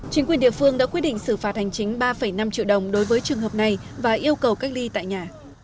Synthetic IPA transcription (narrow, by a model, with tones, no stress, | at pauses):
t͡ɕï˨˦ŋkwi˨˩əɗḭ˧˨əfɨ˧əŋɗa̰ː˧˥kwi˦˥t̚ɗḭ˧˨ŋsɨ˧˩faː˨˩t̚ha˨˩jŋ̟t͡ɕï˨˦ŋ̟ɓaː˧fə˧˩jna˧mt͡ɕḭ˧˨wɗə˨˩wŋ͡mɗo˨˦jvəː˨˦jt͡ɕɨ˨˩əŋɦəː˨˩p̚na˨˩jvaː˨˩ʔi˧əwkə˨˩wkaː˦˥k̚li˧t̪a̰ː˧˨jɲaː˨˩